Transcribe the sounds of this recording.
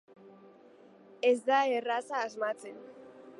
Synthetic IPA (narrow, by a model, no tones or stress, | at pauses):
ezd̪aerasaːzmat͡sen